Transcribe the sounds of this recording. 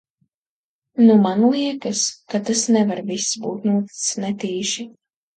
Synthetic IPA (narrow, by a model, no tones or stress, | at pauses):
numanlˠiɛkɐskat̪asnɛvaɾvisːbṵːt̪nuɔt̪i̥snɛt̪iːʃi